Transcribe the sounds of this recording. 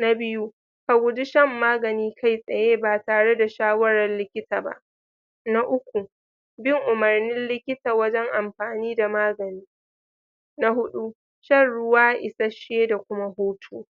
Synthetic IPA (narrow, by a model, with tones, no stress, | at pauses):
na˦bɪ˦ju˦ | ka˨ɡʷʊ˦dɪ˦ʃɐ˦˨mːaː˦ɡɐ˨niː˦kʰa˦˨jsʼɐ˨jeː˦baː˨taː˨ɽe˦da˨ʃaː˦wɐ˦ɽɐ˨rlɪ˦kʲɪ˦tʰaː˨ba̰˦˨ʔ | na˦ʔʊ˦kʷu˨ | bɪ˦ŋʔʊ˨mɐ˨rnɪ˦nlɪ˦kʲɪ˦taː˨wɐ˦d͡ʒɛ˦ŋʔa˨mɸaː˨niː˦da˨maː˦ɡɐ˨niː˦ | na˦hʊ˦ɗu˦ | ʃɐ˦˨nɽʊ˦waː˦ʔɪ˨sɐ˦ʃeː˦da˨kʷʊ˦ma˦hoː˦tʰuː˦